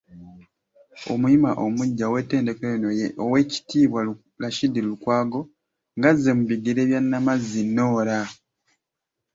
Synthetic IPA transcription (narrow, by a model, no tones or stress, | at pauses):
o̰muimaʔomuɟːawe̞te̞ːnde̞keonoowe̞ːci̥tiːβwa | laʃidːilulukwaːɡo̞ | ŋɡazːe̞muβiɡiɾe̞ːβjanːamazːinːo̞ːɾa